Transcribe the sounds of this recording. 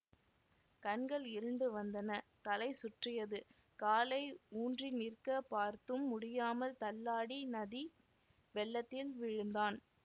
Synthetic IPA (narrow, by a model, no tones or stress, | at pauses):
kɐnɡɐɭɪɾɯɳɖɯʋɐnd̪ɐnɐt̪ɐlɐɪsʊʈrɪjɐðɯ | kaːlɐɪuːndrinɪrkɐpaːɾt̪ɯmːʊɽɪjaːmɐlt̪ɐlːaːɽinɐði | ʋɛɭːɐt̪ːɪlʋɪɻɯnd̪aːn